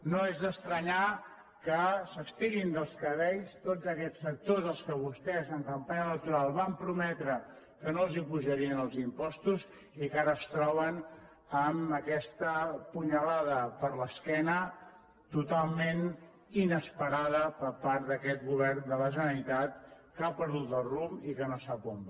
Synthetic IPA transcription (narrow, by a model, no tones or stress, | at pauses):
noezðəst̪ɾəɲa | kəsəkst̪iɣind̪əlˠskəðɛʎst̪od͡zəkɛt͡sːək̚t̪ozəlˠskəβ̞ust̪ɛzəŋkəmpaɲələk̚t̪uɾalˠβampɾumɛt̪ɾə | kənolˠzipuʒəɾiənəlˠzimpɔst̪uz | ikaɾəːst̪ɾɔβən | əməkɛst̪əpuɲəlaðəpəɾləskɛnə | t̪ut̪alˠmen | inəspəɾaðəpəɾpaɾt̪̚d̪əkɛt̪ɣuβɛɾnd̪ələʒənnit̪at̪̚ | kapəɾðut̪̚d̪əlˠrumikənosapomb